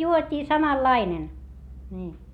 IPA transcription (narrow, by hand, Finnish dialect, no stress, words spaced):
juotʲiː sɑmɑlːɑinen nʲiː